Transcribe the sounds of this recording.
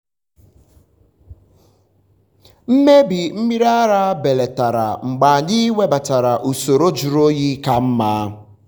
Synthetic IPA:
m̩˦me˦bi˨m̩˦mi˦ɾa˦ɾa˦be˨le˨ta˨ɾa̰˨ŋ͡m̩˨ɡ͡ba˨ɲɪ˦wʷe˦ba˨ta˨ɾa˨ʔu˨so˨ɾo˦d͡ʒu˨ɾo˦ɣi˦ka˨m̩˦maː˦

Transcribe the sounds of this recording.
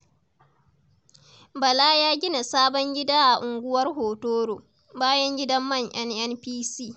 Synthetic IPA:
bɐ˨laː˦jaː˦ɡʲɪ˦na˨saː˦bɔ˦ŋɡʲɪ˦daː˦ʔa˨ʔʊ˨ŋɡʷʊ˦wɐ˦rɦoː˨toː˦ɽoː˨ | baː˦jɐ˦ŋɡʲɪ˦dɐ˦mːɐ˦˨ŋʔɛ˦nʔɛ˦npiː˦siː˦˨

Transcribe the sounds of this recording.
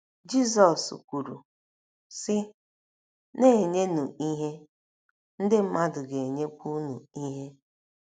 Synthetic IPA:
d͡ʒi˦sɔ˨skʷu˨ɾṵ˨ | sɪ˦ | ne˦e˨ɲe˦nu˨i˦ɦe˦ | n̩˦dɪ˦m̩˦ma˦dʊ˨ɡe˨ɲe˦kʷu˦nu˨i˦ɦe˦

